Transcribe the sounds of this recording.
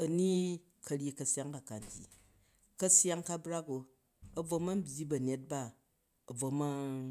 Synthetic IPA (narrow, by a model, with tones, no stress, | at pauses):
ɐ˨ni˦ | kɐ˧ɾʲi˦kɐ˧sʲa˦ŋka˨ka˨n˦dʲḭ˨ | kɐ˦sja˦ŋka˦bɾa˦ko˨ | ɐ˨b͡vo˧ma˦m̩˦bʲji˦bɐ˨nʲe˦t̚ba˦ | ɐ˨b͡vo˨ma˦